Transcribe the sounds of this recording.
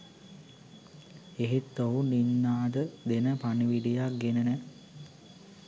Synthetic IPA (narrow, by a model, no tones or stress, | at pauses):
eɦet̪ːoɦuninːaːd̪əd̪enəpaniʋiɖijak̚ɡenənɛ